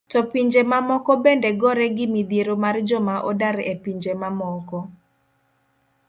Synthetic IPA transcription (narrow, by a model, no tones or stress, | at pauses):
tɔpiɲd͡ʒemamɔkɔbendeɡɔɾɛɡɪmid̪jeɾomard͡ʒɔmaʔɔdaɾepiɲd͡ʒemamɔkɔ